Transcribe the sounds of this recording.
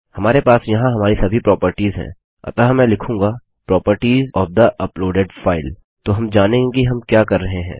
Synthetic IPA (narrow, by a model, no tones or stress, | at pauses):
hɐmaːɾepaːsjɐɦãɦɐmaːɾisɐbʱipɾɔːpəɾʈiːzɦɛ̰̃ː | ɐ̰t̪aɦmɛ̃ːlɪkʰũːŋɡa | pɾɔːpəɾʈiːzɔːfd̪ɐʔɐploːɖeɖfaːɪl | t̪oɦɐmd͡ʒaːnẽɡiɦɐmkjaːkɐɾːɐɦeɦɛ̰̃ː